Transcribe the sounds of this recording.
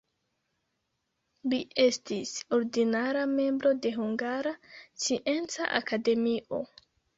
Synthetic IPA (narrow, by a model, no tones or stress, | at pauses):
liʔe̞stiso̞ɾdinaɾame̞mbɾo̞de̞ɦuŋɡaɾast͡siʔe̞nt͡sa̰ʔa̰kade̞miʔo̞